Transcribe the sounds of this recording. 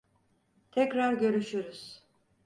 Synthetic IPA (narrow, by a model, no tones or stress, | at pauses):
t̪ʰɛcɾaɾɟø̞ɾyʃyɾyz̥